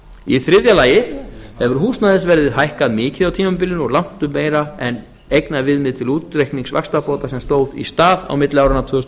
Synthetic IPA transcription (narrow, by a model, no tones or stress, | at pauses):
iθɾɪðjalaːjɪhɛvʏɾ̥huːsnaðɪsvɛɾðɪɦajhkaðmɪːcɪðawt̪ʰiːmʏmpɪlːɪnɔɣlam̥t̪ʏmːeːjɾaɛn | ejknaðvɪðmɪðt̪ʰɪluːt̪ɾejhkniŋsva̰kst̪apoːwt̪asɛmst̪oːwðḭst̪aːða̰wmɪt̪lɪawɾhanat̪ʰœːʏs